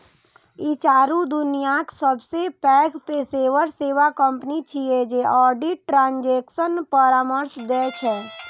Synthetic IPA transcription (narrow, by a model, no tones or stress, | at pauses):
it͡ʃaːɾud̪ʊnijaksəbsepɛːkpeseːʋəɾseːʋakə̃mpənit͡ʃied͡ʒeʔɔːɖiʈːʈɾãːɲd͡ʒeːksənpəɾaːməɾsd̪ɛːt͡ʃʰɛː